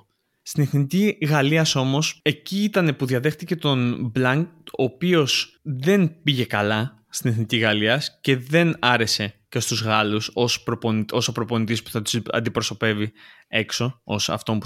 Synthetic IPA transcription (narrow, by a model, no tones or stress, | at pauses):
st̪ine̞θniciɣɐliɐso̞mo̞se̞ciːt̪ɐne̞puðiɐðe̞xt̪ice̞t̪o̞nblɐŋko̞ːpio̞sðe̞npiʝe̞kɐlɐ | st̪ine̞θniciɣɐliɐsce̞ðe̞nɐɾe̞se̞cest̪uzɣɐlusospɾopono̞sopɾo̞po̞nit̪ispu̥θɐt̪u̥sɐ̰nd̪ipɾo̞so̞pe̞vi | e̞kso̞osɐ̰ft̪o̞mpu